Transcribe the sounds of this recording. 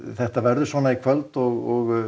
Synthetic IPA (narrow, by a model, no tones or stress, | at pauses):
θɛht̪avɛɾðʏsvɔːnaikʰvœlt̪ɔɣɔɣ